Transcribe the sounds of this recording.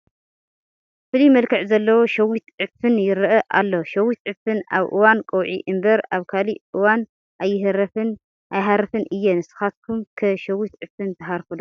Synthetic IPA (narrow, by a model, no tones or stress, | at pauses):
fɨlimɐlkʰɨʕzɐlːɐwoʃɐwit̪ʕɨfɨnjɪɾɨʔɐʔalːoʃɐwit̪̚ʕɨfɨnaβʔɨ̰wankʼɐwʕḭʔɨmbɐɾaβkʰaliʔɨwan | ʔajːɪɦɨɾɐfɨn | ʔajɦaɾɐfɨnʔɨjːɛnɨsɨ̥xat̪̚kʰumkʰɨʃɐwit̪ʕɨfɨnt̪ʰɐɦaɾfudo